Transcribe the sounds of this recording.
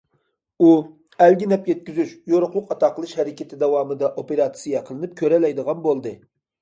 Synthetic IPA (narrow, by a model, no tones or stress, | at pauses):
u | ælɡʲinɛpjɛt̪̚kʲyzyʃjoɾʊχlˠʊqɑt̪ɑqʰəlˠɨʃhɛɾɪkʲʰɪt̪ʰɪd̪ɛwɑːmɨd̪ɑʔopeɾɑt̪sɨjɑqʰəlˠɨnɨp̚kʲʰøɾɛlɛjd̪əʁɑnbolˠd̪ɨ